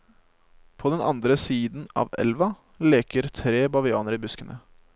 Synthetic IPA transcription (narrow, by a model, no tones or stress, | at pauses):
pʰoːd̪ɛnɑ̰nd̪ɾəsiːd̪n̩ɑ̰ːʋɛ̰lʋɑ | leːkəɾt̪ʰɾeːbɑʋɪɑːnəɾiːbʉskənʔə